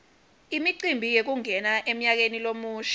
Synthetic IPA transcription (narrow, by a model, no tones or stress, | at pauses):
imiǀimbʱijek̬uŋɛnaʔem̩ɲak̬enilomuːʃ